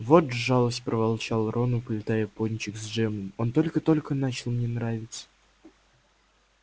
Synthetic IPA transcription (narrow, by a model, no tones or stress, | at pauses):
vot̪ʐɑlˠəsʲtʲpɾʔəvalˠt͡ɕalˠrʔonʊpəlʲɪt̪ajəponʲt͡ɕɪkzʐɛmɨmont̪o̞lʲkət̪o̞lʲkənat͡ɕɪlˠmnʲenɾavʲɪt̪sə̥